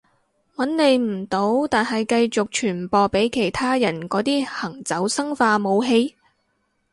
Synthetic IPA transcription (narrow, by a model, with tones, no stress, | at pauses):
wɐ˨˥nle˨˧jm̩˨˩t̪o˨˥wt̪aː˨nɦɐ˨jkɐ˧jt͡sʊ˨k̚t͡ʃʰyː˨˩npɔː˨˧pe˨˥jkʰe˨˩jt̪ʰaː˥jɐ˨˩nkɔː˨˥t̪iː˥hɐ˨˩ŋt͡sɐ˨˥wsɐ˥ŋfaː˧mo˨˧wɦe˧j